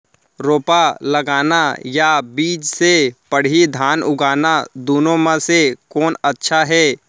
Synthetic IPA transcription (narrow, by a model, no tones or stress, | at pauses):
ɾoːpaləɡaːnajabiːd͡ʒsepəɽ̤id̪ʱaːnʊɡaːnad̪uːnõmãsekɔːnətːʃʰaɦɛː